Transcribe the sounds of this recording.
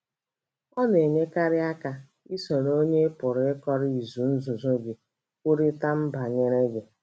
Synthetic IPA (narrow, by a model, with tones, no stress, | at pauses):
ɔ˦ne˨ɲe˦ka˦ɾɪ˦a˦ka˨ | i˦so˨ɾo˦ɲe˦pʊ˨ɾɪ˦kɔ˦ɾɪ˦i˨zu˨n̩˦zʊ˨zʊ˦ɡi˨ | ku˦ɾi˦ta˦m̩˦ba˨ɲe˦ɾe˦ɡe˨